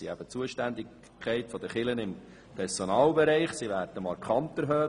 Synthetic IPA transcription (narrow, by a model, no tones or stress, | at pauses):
iæ̰b̥ət͡suəʃtænd̪ɪ | kʰːɛɪtfɔd̥̪əχɪlənɪm | pʰɛɾsɔnɑːlbɛɾɛɪχsiʋæːdnəmɑɾkχɑnt̪əɾɦœː